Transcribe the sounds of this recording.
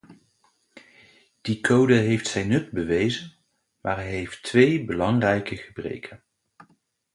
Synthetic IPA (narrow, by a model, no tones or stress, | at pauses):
d̥ikʰowdəɦejftsɛjnɵd̚bəʋejzən | maːɹɦɛjɦejftʋejbəlɑŋrɛjkəχəbrḛjkʰən